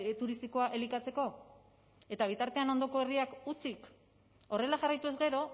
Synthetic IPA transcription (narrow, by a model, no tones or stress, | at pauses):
t̪uɾist̪iko̞aʔe̞likat͡se̞ko̞ | e̞t̪aβ̞it̪aɾt̪e̞ano̞nd̪o̞ko̞e̞riakut͡sik | o̞re̞laʝarajt̪ue̞zɡe̞ɾo̞